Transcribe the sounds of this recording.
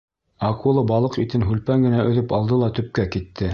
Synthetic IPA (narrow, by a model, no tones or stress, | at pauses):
ɑkulˠɤbɑlˠɤqit̪ɘnɦʉlpæŋɡɘ̆næɵ̆ðɵpɑlˠd̪ɤlˠɑt̪ɵ̆p̚kækit̪ʰːɘ